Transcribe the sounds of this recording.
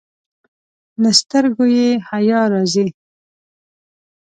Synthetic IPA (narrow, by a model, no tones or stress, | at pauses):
ləst̪əɾɡojehajɑɾɑzil